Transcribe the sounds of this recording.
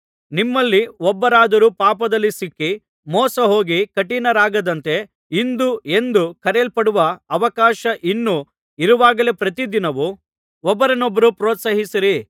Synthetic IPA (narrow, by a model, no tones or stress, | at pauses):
nimːɐlːiɔbːɐɾaːd̪ɐɾupaːpɐd̪ɐlːisikːi | mɔːsɐɦo̞ːɡikɐʈːinɐɾaːɡɐd̪ɐnt̪e̞ | ind̪ue̞nd̪ukɐɾeːlpɐɽuʋɐɐʋɐkaːʃɐʔinːu | iɾuʋaːɡɐle̞pɾɐt̪̬id̪inɐʋu | ɔbːɐɾɐnɔbːɐɾupɾɔːt̪sɐɦisiɾi